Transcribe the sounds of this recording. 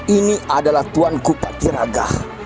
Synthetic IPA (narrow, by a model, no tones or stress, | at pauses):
iniʔadalaht̪uankukat̪iɾaɡa̰h